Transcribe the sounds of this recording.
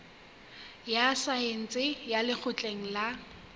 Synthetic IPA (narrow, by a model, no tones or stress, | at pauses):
jasaen̩t͡sʼɪjalɪk͡xʰʊt͡ɬʼeŋ̩la